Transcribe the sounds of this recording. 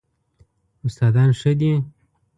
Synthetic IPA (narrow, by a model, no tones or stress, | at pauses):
ʊst̪ɑːd̪ɑːnʂəd̪i